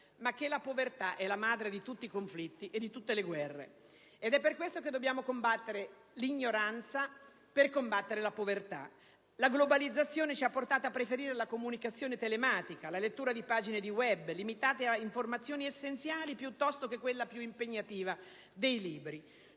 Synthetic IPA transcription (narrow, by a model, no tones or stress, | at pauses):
makːelapovert̪aʔɛlːamaːd̪ɾed̪it̪ut̪ːikoɱflit̪ːiʔed̪ːit̪ut̪ːeleɡwɛrːḛ | ed̪ɛpːerkwest̪oked̪ːobjaːmokombat̪ːeɾe | liɲːoɾant̪sa | perkombat̪ːeɾelapovert̪a̰ | laɡlobalid̪zːat̪sːjoːnet͡ʃiapːort̪aːt̪oapːɾefeɾiːɾelakomunikat̪sːjoːnet̪elemaːt̪ikalalet̪ːuːɾad̪ipaːd͡ʒined̪iwɛbːlimit̪aːt̪eaiɱformat̪sːjoːniesːent̪sjaːlipjut̪ːɔst̪ok̟ekːwelːapjuimpeɲːat̪iːva | d̪ejliːbɾi